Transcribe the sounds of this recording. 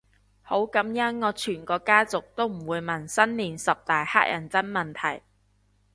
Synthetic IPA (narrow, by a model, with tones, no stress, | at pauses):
ho˨˥wkɐ˨˥mjɐ˥ŋŋɔː˨˧t͡ʃʰyː˨˩nkɔː˧kaː˥t͡sʊ˨k̚t̪o˥wm̩˨˩wuː˨˧jmɐ˨˩nsɐ˥nliː˨˩nsɐ˨p̚t̪aː˨jha̰ː˥k̚jʔɐ̰˨˩nt͡sɐ˥nmɐ˨˩nt̪ʰɐ˨˩j